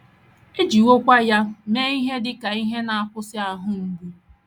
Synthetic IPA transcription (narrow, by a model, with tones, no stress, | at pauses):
e˦d͡ʒi˨wo˦kʷa˦ja˦me˦i˦ɦe˦dɪ˦ka˨i˦ɦe˦na˨a˦kʷʊ˦sɪ˦a˨ɦʊ˦ŋ̩˨ɡu˦